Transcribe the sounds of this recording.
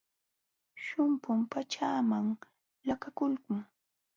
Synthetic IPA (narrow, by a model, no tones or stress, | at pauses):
ʃʊmpʊmpat͡ʃaːmaŋ | lakakʊlkʊŋ